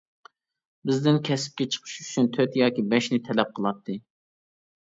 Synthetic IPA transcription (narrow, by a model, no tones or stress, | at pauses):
bɪzd̪ɪnkʲʰɛsɪ̥p̚kʲɛt͡ʃʰə̥qʰə̥ʃyt͡ʃʰynt̪ʰøt̪jɑːkʲibɛʃnɪt̪ʰɛlɛp̚qʰəlˠɑt̪ʰːɨ